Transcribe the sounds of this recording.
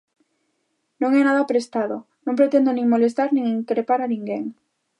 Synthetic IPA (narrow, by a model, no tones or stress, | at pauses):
nõŋɛnaðɐpɾest̪aðʊ | nõmpɾet̪end̪onĩŋmolest̪aɾnĩŋiŋkɾepaɾaniŋɡeŋ